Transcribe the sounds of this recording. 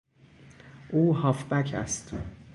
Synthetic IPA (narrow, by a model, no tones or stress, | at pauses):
ʔuːhɒːfbæcʰæ̰st̪